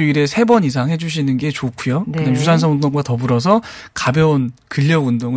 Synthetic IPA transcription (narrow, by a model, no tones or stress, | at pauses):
iɾe̞sʰe̞bʌɲis̬ʰaŋɦe̞d͡ʑuɕ̬ʰinɯnɡe̞t͡ɕokʰujokɯdejus̬ʰans̬ʰʌundoŋɡwatʌbuɾʌs̬ʰʌkabjʌonkɯʎːʌundoŋɯ